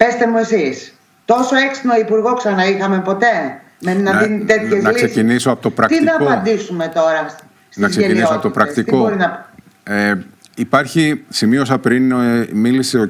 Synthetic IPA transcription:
pest̪e̞mue̞sis | t̪o̞so̞eksino̞ipuɾɣo̞ksɐnɐixɐmepo̞t̪e̞ | mennɐðinie̞t̪çesznɐklissecinisoɐpot̪opɾɐkt̪inɐːopɐnnd̪isume̞t̪o̞ɾɐ | snɐkzseʝeiniissoɐpot̪pɾɐkst̪ikt̪ooɾinɐ | e | ipɐɾçisimio̞sɐpɾinmiliseo

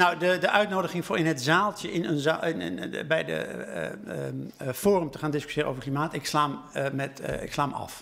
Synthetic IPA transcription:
nɔwdədəʔœɥtnowdəɣɪŋfʊːɹɪnɦətzaːlˠtjəɪnənzaɪn̰nbɛjdə̰ | foːrəmtəxaːndɪsky̥sjɪːrə̰o̰vrklimaːtɪkslammɛtɪ̰kslaːmɑ̰f

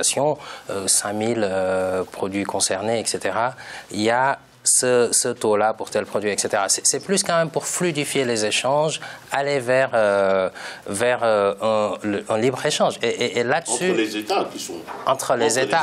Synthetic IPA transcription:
asjɔ̃øsɛ̃miløpχɔd̪ɥikɔ̃sɛʁneɛkset̪eʁailja | səsət̪olapuʁt̪ɛlpχɔd̪ɥiɛkset̪eʁasɛ̥sɛplyskɑ̃mɛmpuʁflyd̪ifjelezeʃɑ̃ʒalevɛʁø | vɛʁøə̃ləɛ̃libʁeʃɑ̃ʒeʔʔːlad̪əsyeet̪akisɔ̃ɑ̃t̪χəlezet̪a

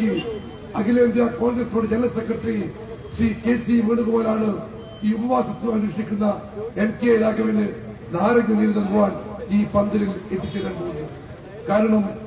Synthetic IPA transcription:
i | ɐɡileːnd̪jɐko̞ːŋɡɾɐsuːɽed͡ʑelːɐsekrɐʈːɐri | sikeːsimeːɳuɣɐpo̞ːlaːɳɨ | iːubɐʋaːsɐt̪ːinɨmɐnuːʂʈikʲːunːɐ | enkeɾaːɡʱɐʋinɨ | naːɾɐŋːunilnːɐnɡuʋaːɳiːpɐnd̪ɐlilet̪ːit͡ɕːɐɾɐɳɖunːɨ | kaːɾɐɳɐm

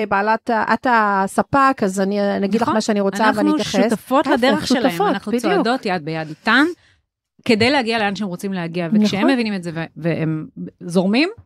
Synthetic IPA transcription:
baːlataʔatasapakazaninaɡid̪lamaʃeaniʁot͡saaveaniutjaʃχestafot̪lad̪eʁeχʃeleonaχnut͡sdo̞tjad̪̚bejad̪itan | ked̪ejlehaɡialeanaʃemʁot͡simlehaɡiavekʃehemːevinimetzeveveemzoʁmim

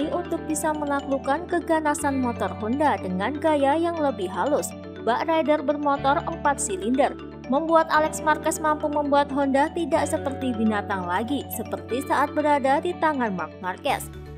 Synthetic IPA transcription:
iunt̪ʊk̚bisaməlaklukankəɡanasanmɔt̪ɔrɦɔndadəŋanɡajajaŋləbɪhɦalʊs | baʔrajdərbərmɔt̪ɔrəmpat̪̚silindər | məmbuat̪alɛksmarkɛsmampuməmbuat̪̚ɦɔndat̪idaʔsəpərt̪ibinat̪aŋlaɡisəpərt̪isaʔat̪̚bəɾadadit̪aŋanma̰rk̚markɛ̰s

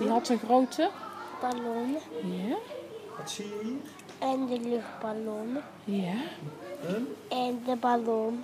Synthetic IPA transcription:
diɦɑtəɣrowtəəb̥alonəja | ɛndəlɵxt̚b̥alonə | ja | ɛndəbalon

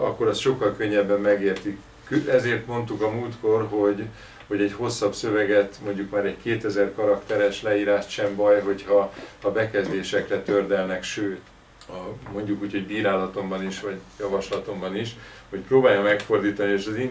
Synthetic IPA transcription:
ɒ̰kːo̞ɾɒst̪ʃo̞kːɒlkø̞ɲːɛbːɛmːɛɡeːrt̪ik | køɛzeːrt̪mo̞nt̪ukɒmuːlt̪ko̞rɦo̞ɟ | ho̞ɟɛɟho̞sːɒbsø̞vɛɡɛt̪mo̞ɲɟukmaːɾɛɟkeːt̪ɛzɛrkɒɾɒkt̪ɛɾɛʃlɛiːɾaːʃt̪ʃɛmbɒjɦo̞chɒːbɛkɛzd̪eːʃɛkrɛt̪ørd̪ɛlnɛkʃøːt̪ | mo̞ɲɟukuːcho̞ɟbiːɾaːlɒt̪o̞mbɒniʃʋɒɟjɒvɒʃlɒt̪o̞mbɒniʃ | ho̞cproːbaːjɒmɛkfo̞rd̪iːt̪ɒnieːʃɒzin

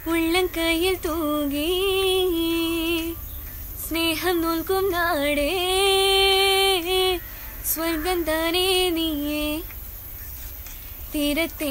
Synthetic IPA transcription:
uɭːɐŋkɐjilt̪uɡi | sneːɦɐmnolkumnaːɽe | sʋɐɾɡɐnd̪aːɾenije | t̪iːɾɐt̪ːe

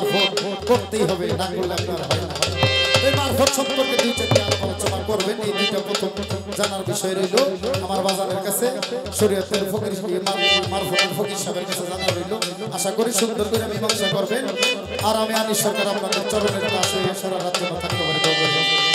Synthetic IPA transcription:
aɾfoʈkoɾt̪ejɦɔbenakolleapnaɾɦɔbenat̪oemaɾfoʈʃɔb̚koɾt̪ed̪utokiammaɾet͡ɕɔmakoɾbenejd̪iʈapɾot̪ʰom | d͡ʑanaɾbiʃɔeɾojloamaɾbad͡ʑaɾeɾkat͡sʰeʃoɾijat̪eɾfokɾiʃʈiemaɾmaɾfʰoʈeɾfokiʃabeɾkit͡ɕʰuɾad̪aɾojlo | aʃakoɾiʃund̪oɾkoɾiamibɔŋsokoɾben | aɾamianiʃɔɾkɔɾapnad̪eɾt͡ɕɔɾoneɾpasejeʃaɾaɾad̪d͡ʑonat̪ʰak̚t̪obaɾikoɾboɾben

